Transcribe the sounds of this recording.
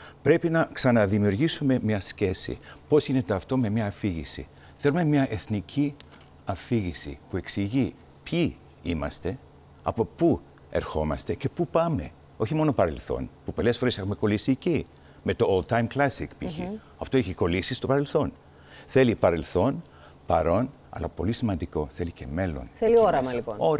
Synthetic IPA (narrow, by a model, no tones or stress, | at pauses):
pɾe̞pinɐksɐnɐðimiuɾʝisume̞mɲɐsce̞sḭpo̞zʝinet̪eɐft̪o̞me̞mɲɐːfiʝisḭ | θe̞lume̞mɲɐʔe̞θnicʰi | ɐfiʝisḭpue̞ksiʝi | pçi | imɐ̰st̪e̞ | ɐ̰po̞pu | e̞̰ɾxo̞mɐst̪e̞ce̞pupɐme̞̰ | o̞çimo̞no̞pɐɾe̞lθo̞̰npupo̞le̞sfoɾesexume̞ko̞lisiːci | me̞t̪o̞olt̪ajmklasikpḭçḭ | ɐft̪o̞eçiko̞lisist̪o̞pɐɾe̞lθo̞n | θe̞lipɐɾe̞lθo̞n | pɐ̰ɾo̞n | ɐ̰lɐpo̞lisimɐnd̪iko̞θe̞lice̞me̞lo̞̰nθelioɾɐɐlionoɾ